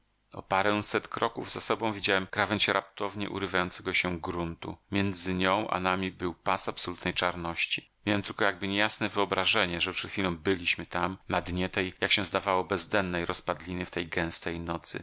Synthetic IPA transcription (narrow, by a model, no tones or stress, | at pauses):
ɔ̰paɾɛ̃w̃sɛt̪kɾɔkuvzasɔbɔ̃w̃vʲid͡ʑawɛmkɾavɛnt͡ɕɛɾʔap̚t̪ɔvɲɛ̰ʔṵɾɘvajɔnsɛɡɔɕɛɡɾunt̪ṵmʲjɛnd̪zɘɲɔ̃w̃ʔa̰namʲibɘwpasapsɔlut̪nɛjt͡ʂaɾnɔɕt͡ɕi | mʲjawɛmt̪ɘlkɔjaɡ̚bɘɲɛjasnɛvɘɔbɾaʐɛɲɛʐɛpʂɛt̪xfʲilɔ̃w̃bɘlʲiɕmɘt̪amnad̪ɲɛt̪ɛjjakɕɛ̃zd̪avawɔbɛzd̪ɛnːɛjɾɔspad̪lʲinɘft̪ɛjɡɛ̃w̃st̪ɛjnɔt̪sɘ̰